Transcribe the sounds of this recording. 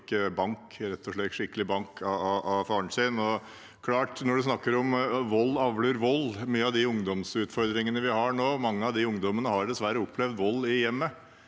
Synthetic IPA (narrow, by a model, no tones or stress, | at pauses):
kːəbɑŋkɾɛt̪ʰːɔʂɭɛʂɪkːəlɪbɑŋkʰɑɑʔɑfɑːəɳʂɪnɔ | kʰlɑːʈnɔɖʉs̬nɑkːəɾɔmʋɔlːɑʋləɾʋɔlːmyːəɑʋd̪ɪʊŋd̪ɔmsʉːt̪fɔɾd̪ɾɪŋənəʋɪhɑɳoːmɑŋːəɑʋd̪ɪʊŋd̪ɔmənəhɑɾɖ̪ɛsʋæɾːəʊpʰːlɛʋd̪ʋɔlːɪjɛmːə